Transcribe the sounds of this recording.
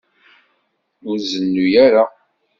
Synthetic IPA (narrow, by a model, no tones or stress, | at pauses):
ʊɾzənːujaɾa